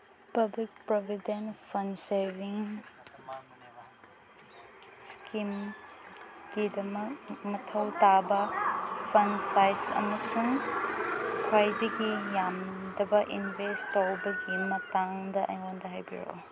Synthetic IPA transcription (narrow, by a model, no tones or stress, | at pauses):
pɐblik̚pɾobʱidenpʰɐnsevʱiŋ | skʰim | ɡ̥idɐmɐk̚mɐtʰɐwtabɐpʰɐnsajsɐ̰mɐsuŋ | kʰwajdɐɡijamdɐbɐʔinvʱestowbɐɡimɐtaŋdɐʔɐ̰jŋondɐɦajbḭɾo̰